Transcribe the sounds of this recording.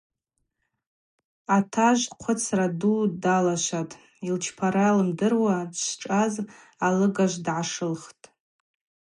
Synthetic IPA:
atʰaʒʷqʷʰʊt͡sʰradudalaʃʷatʼ | ilt͡ʃʰpʰaɾalɨmdɨrwadʃʈ͡ʂʼaz | alɨɡaʒʷdʕaʂɨlχtʼ

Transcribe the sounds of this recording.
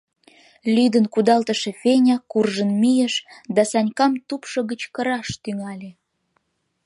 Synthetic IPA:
lyd̪ənkud̪ɑlt̪əʃĕfenʲɑkurʒənmijəʃd̪ɑsɑnʲkɑmt̪upʃŏɣət͡ɕkə̆ɾɑʃt̪yŋɑlʲe

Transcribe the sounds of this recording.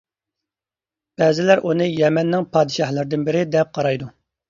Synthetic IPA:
b̥ɛːzɪlæɾʔunɨjɛmɛnːɪŋpʰɑːd̪ɨʃɑhlˠɨɾd̪ɪnbɪɾɪd̪ɛp̚qʰɑɾɑjd̪u

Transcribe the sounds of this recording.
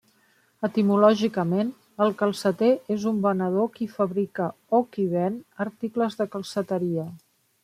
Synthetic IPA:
ət̪imulɔʒikəmen | əlˠkəlˠsət̪eezumbənəð̞okifəβɾikə | okiβɛnəɾt̪ikləzðəkəlˠsət̪əɾiə

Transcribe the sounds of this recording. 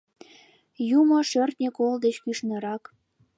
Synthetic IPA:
jumoʃørt̪nʲekold̪et͡ɕkyʃnə̆ɾɑk

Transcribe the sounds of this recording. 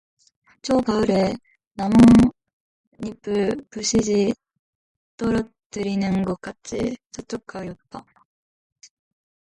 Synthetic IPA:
t͡ɕʰʌpaɯɾe | namo | ɲipʰɯɭpuɕʰid͡ʑi | t͈ʌɾʌ | tɯɾinɯnɡʌk͈at͡ɕ͈ḭt͡ɕʌt͡ɕ͈ok͈aijʌt̚t͈a

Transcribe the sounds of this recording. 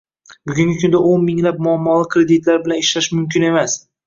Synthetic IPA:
bʊɡʲʊŋɡʲɪkʰʊnd̪aonmɪŋlap̚mʊamːɒlˠɪkʰɾe̞d̪ɪt̪laɾbɪlaneʃlaʃmʊmkʲɪne̞mas

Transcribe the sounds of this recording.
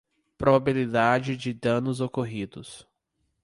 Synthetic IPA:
pɾobabilid̪ad͡ʒɪd͡ʒɪd̪ɐ̃nʊzokoɦid̪ʊs

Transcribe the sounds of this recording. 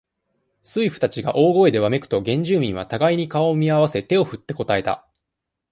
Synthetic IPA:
sɨiɸɯ̟̥t̪at͡ɕiɡa̰ʔo̞ːɡo̞e̞d̪e̞βame̞kɯ̟̥t̪o̞ɡẽ̞ɲ̟d͡ʑɨːmʲĩɰ̃β̞at̪aɡaiɲ̟ikaomʲiaβ̞ase̞t̪e̞o̞ɸɯ̟t̪ːe̞ko̞t̪ae̞t̪a̰

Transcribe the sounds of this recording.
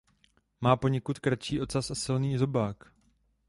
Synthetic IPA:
maːpo̞ɲɛkut̪kɾat͡ʃiːʔo̞t̪t͡sasʔasɪlniːzo̞baːk

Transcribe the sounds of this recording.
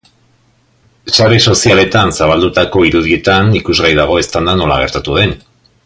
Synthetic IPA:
saɾeso̞siale̞t̪ansaβ̞ald̪ut̪ako̞iɾuðie̞t̪anikuzɣajðaɣ̞o̞e̞st̪and̪ano̞la̰ɣ̞e̞ɾt̪at̪uð̞e̞n

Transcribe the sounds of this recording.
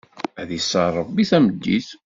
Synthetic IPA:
æðisːəɾˤːəbːiθæməd̪ːiθ

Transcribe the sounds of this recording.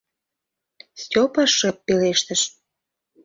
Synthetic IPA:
stʲopɑʃːəpːeleʃt̪ə̆ʃ

